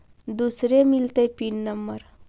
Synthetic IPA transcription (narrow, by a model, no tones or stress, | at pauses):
d̪usɾemilt̪əjpinnəmbəɾ